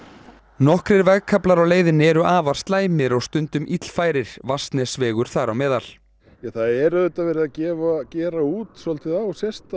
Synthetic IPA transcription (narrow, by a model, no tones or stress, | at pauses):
nɔhkɾɪɾvɛɣkʰaplaɾawleːjðɪnːɪɛɾʏʔaːvaɾ̥st̪laːjmɪɾɔɣst̪ʏnt̪ʏmʔit̪l̥faːjɾɪɾ̥vast̪nɛsvɛːɣʏɾ̥θaɾawmɛːðal | jaθaðɛɾœt̪avɛːɾɪðacɛːvacɛːɾauːt̪sɔlt̪ʰɪðasjɛst̪a